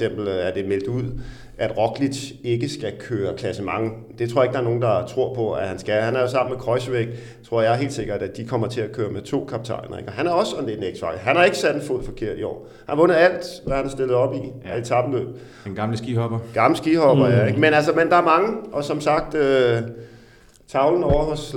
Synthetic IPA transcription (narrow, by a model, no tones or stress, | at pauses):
sem̰b̥l̩æɐd̥e̝mel̰d̥uð̰ˠ | ʔæd̥ʁɒ̽ɡ̥lid̥e̝ɡ̥əsɡ̥ækʰøːɐkʰlæsəmɑ̈ŋ | d̥e̝t͡sʰo̰ɐeɡ̥ɑ̈ɐno̝ːn̩d̥ɑ̈t͡sʰʁo̝ɐ̰pʰɒ̽æhænsɡ̥æhænæɐjo̝s̬ɑ̈m̰n̩mekʰʁɒ̽ɪsʋeɡ̥̚ | t͡sʰʁo̝ɐ̰jɑ̈ɪɦe̝̰ːld̥se̝ɡ̥ɐd̥æ̥d̥ikʰɒ̽mɐt͡sʰe̝ækʰøːɐmet͡sʰo̝̰ːkʰɑ̈b̥̚t͡sʰɑ̰̈ɪnɐḛɡ̥ɒɦænæɐɒ̽sɒnled̥neɡ̥sfɑ̈ɡ̥ɦænhɑ̈e̝ɡ̥əsæd̥en̩foð̰ˠfɒ̽kʰe̝ɐ̰d̥iɒ̰ː | hænæʋɔ̽nɐæl̰d̥ʋæhænæɐsd̥e̝lð̩ˠɒ̽b̥i̥t͡sʰɑ̈b̥əlø̰b̥ | nɡ̥ɑ̈mləsɡ̥ihɒb̥ɐɡ̥ɑ̈ml̩sɡ̥iːhɒ̽b̥ɐjæeɡ̥menælsɐmend̥ɑ̈æɐmɑ̈ŋəʔɒ̽sɒ̽msɑ̈ɡ̥̚d̥ø | t͡sʰɑ̈ʊln̩ɒʊɐɦɔ̽s